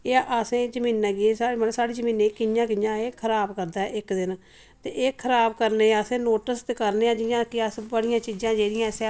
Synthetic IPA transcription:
eːʔəsẽːd͡ʒəmĩːnãːɡieːsaːeːməəsaːɽiːd͡ʒəmĩːneːkɪjãːkɪjãːeːkʰəɾaːbkəɾd̪aːɛːʔɪkd̪ɪn | t̪eːʔeːkʰəɾaːbkəɾneːəsẽːnoːʈəst̪eːkəɾneːãːd͡ʒɪjãːkɪəsbəɽɪjãːt͡ʃiːd͡ʒãːd͡ʒeːɽɪjãːse

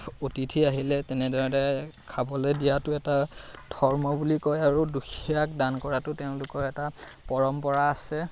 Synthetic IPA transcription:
otitʰiaɦilɛtɛnɛdaɹɔdakʰabɔlojdijatʊɛtadʱɔɹmɔbulikɔjaɹuduxʰiiak̚dankɔɹatʊtɛʊ̃lʊkɔɹɛtapɔɹɔmpɔɹaːsɛ

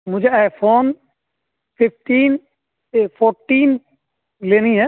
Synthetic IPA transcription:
mʊd͡ʒeajpʰoːn | pʰɪp̚ʰʈiːn | pʰoɾʈiːn | leniɦɛ

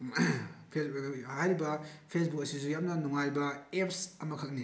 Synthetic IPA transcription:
pʰesajɾibɐpʰes̬bukɐsisujap̚nɐnuŋajbɐepʰsɐmɐkʰɐk̚ni

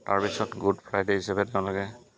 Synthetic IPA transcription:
ta̰ɹpisɔtɡudpʰɹajdeɦisabɛteʊ̃lɔkɛ

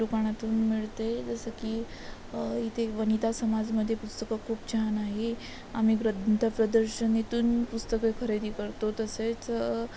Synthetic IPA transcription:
ukaɽ̃at̪uːnmiɭt̪ed͡zəsəkiː | it̪eʋənit̪asəmad͡zməd̪ʱːjepust̪əkəkʰuːpt͡ɕanaɦe | am̤iɡɾət̪ʰəpɾəd̪əɾɕənːet̪uːnpust̪əkekʰəɾed̪iːkəɾt̪ot̪əset͡s

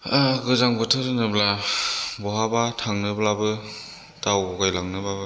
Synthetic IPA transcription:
aɡɯzaŋbɯtʰɯɾɯnɯblabɔɦabatʰaŋnɯblabɯ | tawɡɔɡajlaŋnɯbabɯ

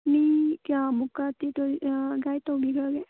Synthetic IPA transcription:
nikamukatitɔɡajtawbiɡaɡe

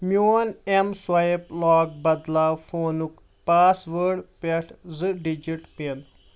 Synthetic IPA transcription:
mjoːnemswɐiplaːɡ̚bɐd̪laːwfoːnuk | paːsʋəɾɖpeʈʰzɨɖid͡ʒiʈpen

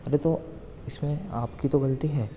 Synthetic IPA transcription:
ɐɾet̪o | ɪsmẽa̰ːpkit̪oɡɐlt̪iɦɛː

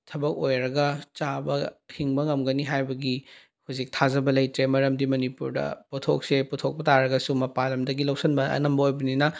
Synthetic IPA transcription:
tʰɐbɐk̚ojɾɐɡɐt͡ʃabɐhʰiŋbɐŋɐmɡɐniɦajbɐɡi | huzik̚tʰazɐbɐlɐjtɾemɐɾɐmdimɐnipuɾdɐ̰putʰok̚seputʰok̚pɐtaɾɐɡɐsumɐpalɐmdɐɡilɐwsɐnbɐɐ̰nɐmbɐojbɐninɐ

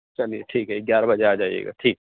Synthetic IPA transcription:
t͡ʃɐlijḛʈʰiːkɦɛɪɡjaːɾabɐd͡ʒeaːd͡ʒaːḭjḛːɡa̰ːʈʰiːk

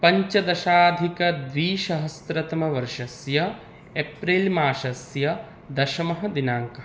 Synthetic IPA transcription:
pɐɲt͡ʃɐd̪ɐʃaːd̪ʱikɐd̪ʋiːʃɐɦɐst̪ɾɐt̪ɐmɐʋɐɾʂɐsjɐ | epɾilmaːʃɐsjɐ | d̪ɐʃɐmɐɦɐ̆d̪inaːŋkɐ

